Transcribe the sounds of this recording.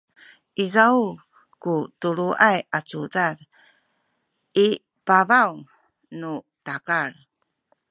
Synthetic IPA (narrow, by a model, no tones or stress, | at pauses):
ʔizau | kutuɾuʔajat͡sudad | i | pavaw | nu | takaɾ